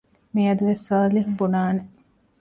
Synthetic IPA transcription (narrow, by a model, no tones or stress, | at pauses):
miɐd̪uʋesːaːliɦubunaːne